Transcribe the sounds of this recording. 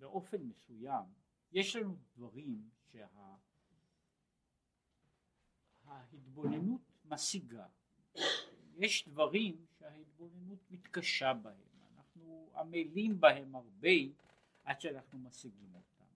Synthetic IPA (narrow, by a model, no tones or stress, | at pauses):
beʔo̞fe̞nmesujam | je̞ʃlanudvaʁimʃe̞ha | hahit̪bo̞nenut̪masiɡa | je̞ʃd̪vaʁimʃehahit̪̚bo̞ne̞nut̪mit̪kaʃabahe̞̰ma̰naχnua̰melimbahe̞maʁbe̞j | ʔadʃeanaχnumasiɡimo̞t̪ʰa̰m